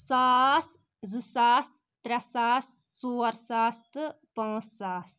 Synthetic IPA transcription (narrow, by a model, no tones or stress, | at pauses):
saːs | zɨsaːs | t̪ɾʲɐsaːs | soːɾsaːst̪ɨ | pɐːsːaːs